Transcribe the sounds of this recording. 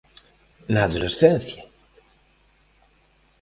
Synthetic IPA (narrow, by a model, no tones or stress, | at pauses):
naːðolesθenθja